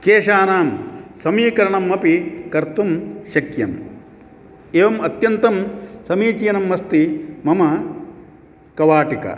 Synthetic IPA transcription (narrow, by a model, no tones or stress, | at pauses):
keːʃaːnaːmsɐmiːkɐɾɐɳɐmːɐpikɐɾt̪umʃɐkjɐm | eːʋɐmɐt̪jɐnt̪ɐmsɐmiːt͡ʃijɐnɐmːɐst̪imɐmɐ | kɐʋaːʈikɐ̰